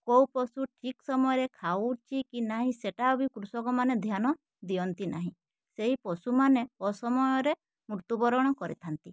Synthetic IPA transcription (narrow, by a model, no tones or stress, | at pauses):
kowpɔsuʈʰiksɔmɔjɔɾekʰauʈt͡ʃʰikinaɦĩseʈaɔbikɾusɔkɔmaned̪ʱjanɔ | d̪iɔnt̪ina̰ɦĩ | seɦipɔsumaneɔsɔmɔjɔɾe | muɾt̪ubɔɾɔɽ̃ɔkɔɾḭt̪ʰant̪i